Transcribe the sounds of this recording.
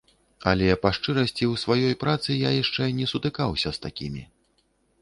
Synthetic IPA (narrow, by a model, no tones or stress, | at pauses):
ɐlʲɛpaʂt͡ʂɨɾɐsʲt͡sʲiwsvajɔjpɾat̪sɨjajaʂt͡ʂɛnʲɛsut̪ɨkawsʲɐst̪akʲimʲi